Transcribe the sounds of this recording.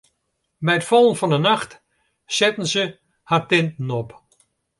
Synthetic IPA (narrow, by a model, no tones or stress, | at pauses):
bɛjətfɔlˠənfɔnənaxt | sɛtən̩sə | hartɪntn̩ɔp